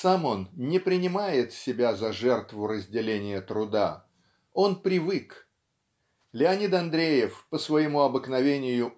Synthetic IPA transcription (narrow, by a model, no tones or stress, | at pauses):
samo̞nnʲɪpɾʲɪnʲɪmajɪt̪sʲɪbʲazɐʐɛrt̪vʊɾəzʲdʲɪlʲenʲɪjət̪ɾʊd̪a̰ | o̞npɾʲɪvɨk | lʲɪɐnʲit̪ɐnd̪ɾʲejɪfpəsvɐjɪmuɐbɨknɐvʲenʲɪjʊ